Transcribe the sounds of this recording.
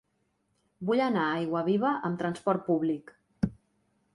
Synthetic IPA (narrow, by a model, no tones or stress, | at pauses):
buʎənaajɣwəβ̞iβəʔəmt̪ɾənspɔrt̪̚puβlik